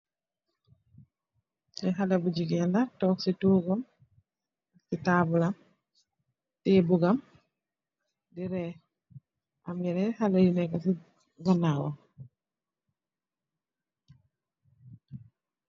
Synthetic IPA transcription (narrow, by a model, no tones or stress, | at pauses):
ɛɦalɛbuɟiɡɛndatɔːksituɡɔm | sitaːbulam | tɛbuɡam | diɾɛ | ʔamjɛnɛhalɛjunɛkasi | ɡanawa